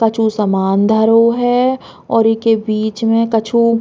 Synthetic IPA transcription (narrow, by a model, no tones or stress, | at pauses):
kɐt͡ʃʰusɐmaːnd̪ʱɐɾoɦɛ | ɔːɾɪkebiːt͡ʃmẽkɐt͡ʃʰu